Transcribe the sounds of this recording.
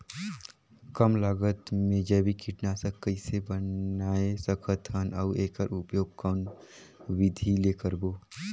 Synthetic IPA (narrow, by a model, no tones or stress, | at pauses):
kəmlaːɡət̪mẽd͡ʒɛːbʱikʰiʈnasəkːəɪsebənaːesɐkʰət̪ənɐːeːkəɾʊpjoːɡ̚kɔn | ʋɪd̪ʱileːkəɾboː